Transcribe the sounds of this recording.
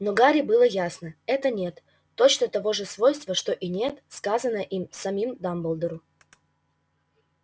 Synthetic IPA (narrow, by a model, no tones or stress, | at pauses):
noɡaɾʲɪbɨlˠəjasnəɛt̪ənʲe̞t̪ː | o̞t͡ɕnət̪ɐvo̞ʐɨsvo̞jst̪vəʂt̪o̞ʔinʲe̞t̪skazənəʔimsɐmʲimd̪ambəlˠd̪əɾʊ